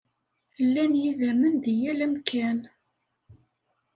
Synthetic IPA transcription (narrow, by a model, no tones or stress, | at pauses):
lːænjiðæmənðijælæmkʰæn